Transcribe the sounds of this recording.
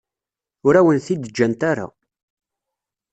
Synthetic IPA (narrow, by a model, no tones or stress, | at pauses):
ʊɾæwənθid̪əd͡ʒːænt̪aɾa̰